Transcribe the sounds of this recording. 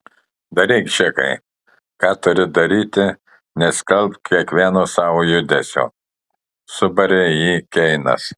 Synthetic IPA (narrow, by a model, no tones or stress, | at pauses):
d̪ɐɾʲɛɪkʃʲɛkɐ̰ɪ | kɑːt̪ʊɾʲɪd̪ɐɾʲiːt̪ʲɪ | nʲɛsʲkɐlʲˠpkʲiɛkʋʲiɛnoːsɑːʋoːjʊd̪ʲɛsʲo̰ː | sʊbɐɾʲejiːkʲɛɪnɐ̰s